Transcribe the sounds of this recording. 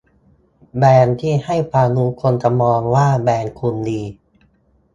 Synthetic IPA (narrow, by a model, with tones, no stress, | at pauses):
bɛː˧nt̪ʰiː˥˩ha˥˩jpʰaː˧nuː˦˥kʰo˧nt͡ɕa˧˩mɔː˧ŋwaː˥˩bɛː˧nkʰu˧ndiː˧